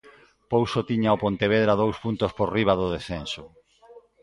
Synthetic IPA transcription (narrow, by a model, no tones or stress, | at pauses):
powsot̪iɲaopont̪eβ̞eðɾaðowspunt̪ospoɾriβ̞aðʊðesθensʊ